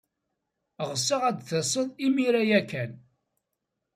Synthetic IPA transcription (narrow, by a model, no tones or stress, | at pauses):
ʁəsːəʁæd̪θəsˤəðˤimiɾæjækːæn